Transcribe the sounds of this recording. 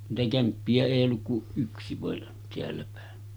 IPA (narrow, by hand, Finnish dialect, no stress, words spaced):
niːtæ kæmpːiæ eˑij olːuk kuʔ ʔyksi ʋɑˑen teælːæpæˑe